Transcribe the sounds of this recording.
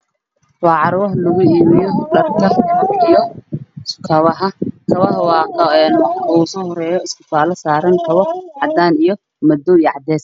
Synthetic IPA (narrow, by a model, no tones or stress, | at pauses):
wɑːʕɑɾwɐɦlʊɣʊiːmɪjɔɗɐrkʰɐijɔ | kʰɐβɐɦɐkʰɐβɐɦwɑːqɛnwɐuːsɔːhɔrɛːjɔɪskʰʊ̥faːlɐsaːɾɐŋkʰɐβɔʕɑd̪aːnijɔ | mɐd̪ɔijʕɑd̪ɛːs